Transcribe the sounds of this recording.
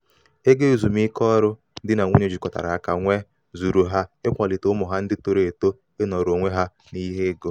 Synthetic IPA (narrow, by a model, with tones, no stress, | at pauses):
e˦ɡe˦u˨zu˨m˦i˦kɔ˦ɾʊ˦ | dɪ˦na˨ŋʷu˦ɲe˦d͡ʒi˨kɔ˨ta̰˨ɾa˨a˦ka˨ŋʷe˦ | zu˨ɾu˨ɦa˦ɪ˦kʷa˨lɪ˨tʊ˦mʊ˨ɦa˦n̩˦dɪ˦to˦ɾe˨to˦ | e˦nɔ˨ɾo˨ŋʷe˦ɦa˦ | ni˦ɦe˦ɡo˦